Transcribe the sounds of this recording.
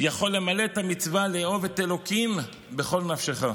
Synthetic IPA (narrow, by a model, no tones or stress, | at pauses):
jaχo̞lːe̞male̞t̪amit͡svaleo̞vet̪elo̞kim | be̞χo̞lnafʃeχa